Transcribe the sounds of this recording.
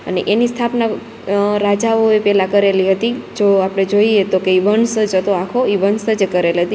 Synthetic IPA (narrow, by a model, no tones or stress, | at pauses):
ə̰neʔenist̪ʰapna | ɾad͡ʒaoepɛlakəɾeliɦət̪id͡ʒoapɽ̃ed͡ʒoiet̪okeiʋənsəd͡ʒət̪oakʰoiʋənsəd͡ʒekəɾelɦət̪i